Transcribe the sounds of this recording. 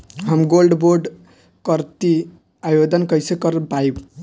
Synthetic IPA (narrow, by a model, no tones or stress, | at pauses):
ɦəmɡolɖboɾɖ | kʌɾt̪i | ajod̪ənkʌjsekʌɾpajb